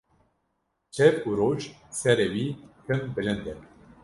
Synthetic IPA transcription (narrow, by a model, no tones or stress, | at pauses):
t͡ʃʰɛvuɾoːt͡ʃsɛɾɛwiːhʰɨmbɨlɨnd̪ɛɾ